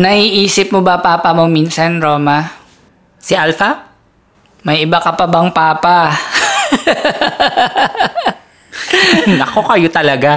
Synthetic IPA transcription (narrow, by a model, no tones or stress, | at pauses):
nɐhiːʔiːsɪp̚mobɐpaːpɐmominsɐnɾoːma | sɪʔalfɐ | mɐjʔɪbakɐpɐbɐŋpaːpa | nɐko̞kɐjot̪ɐlɐɡa